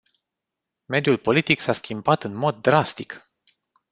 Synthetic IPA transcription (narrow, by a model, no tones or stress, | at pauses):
me̞d̪julpo̞lit̪iksaskʲimbat̪ɨnmo̞d̪ːɾast̪ik